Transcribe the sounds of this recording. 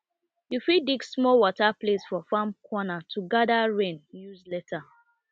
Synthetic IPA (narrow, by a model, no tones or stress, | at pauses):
jufidiɡsmɔwɔtaplesfɔfãmkʰwɔnatʰuɡadaɹẽnjuzlɛtʰa